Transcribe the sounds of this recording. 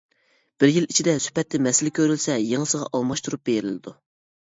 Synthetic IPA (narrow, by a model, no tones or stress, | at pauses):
b̥ɪɾjilit͡ʃʰid̪ɛsy̥pɛt̪ʰːɪmɛsɪlɪkʲʰøɾylsɛjeŋəsəʁɑ̰ʔɑlˠmɑʃt̪uɾup̚beɾɪ̰lɪd̪u